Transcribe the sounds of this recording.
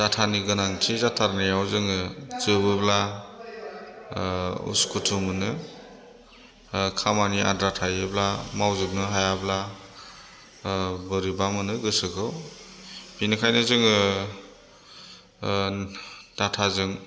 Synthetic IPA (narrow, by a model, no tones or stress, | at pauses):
d̥atʰaniɡɯnaŋtʰizatʰaɾnijawzɯŋɯzɯbɯbla | ṵskʰutʰumɯnɯ | kʰamania̰dɾatʰajɯblamawzɯp̚nɯɦajabla | bɯɾibamɯnɯɡɯsɯkʰɯw | b̥inɯkʰajnɯzɯŋɯ | d̥atʰazɯŋ